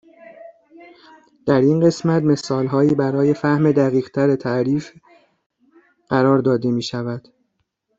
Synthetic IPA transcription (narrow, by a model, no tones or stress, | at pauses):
d̪̥æɾinɢe̞smæt̪me̞sɒːlɦɒːiːbæɾɒːje̞fæhmed̪æɣiːɣt̪ʰæɾet̪ʰæʔɾiːf | ɢ̥æɾɒːɾd̪ɒːd̪e̞miːʃævæd̪̥